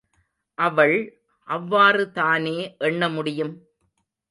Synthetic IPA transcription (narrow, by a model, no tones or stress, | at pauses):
ʔɐʋɐɭ | ʔɐʋːaːrɯt̪aːneːʔɛɳːɐmʊɽɪjɯm